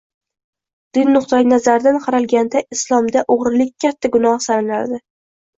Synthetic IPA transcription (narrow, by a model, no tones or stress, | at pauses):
d̪̥ɪnːʊχt̪ʰanazaɾd̪anqʰɑɾalɡʲand̪aɪslˠɒmd̪aʔoʁɾɪlɪk̚ʲkʲːʰat̪ʰːaɡʊnɒhsalɪnaɾd̪ɪ